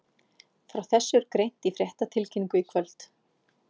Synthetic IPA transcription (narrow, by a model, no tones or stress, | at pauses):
fɾawθɛsːʏɾkɾejn̥t̪ifɾjɛht̪at̪ʰɪlcʰiniŋkʏikʰvœlt̪